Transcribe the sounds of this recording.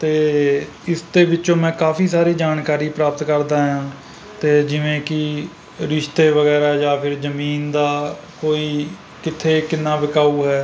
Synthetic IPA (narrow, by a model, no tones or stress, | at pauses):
t̪eː | ɪsd̪eːbɪt͡ʃõːmɛ̃ːkaːfiːsaːɾiːd͡ʒaːnkaːɾiːpɾaːpət̪kəɾd̪aːɦãː | t̪eːd͡ʒɪʋẽːkɪ | ɾɪʃt̪eːʋəɣɛːɾaːjaːpʰɪɾzəmiːnd̪aː | koːiː | kɪt̪ʰːeːkɪnːãːʋɪkaːuːɦɛː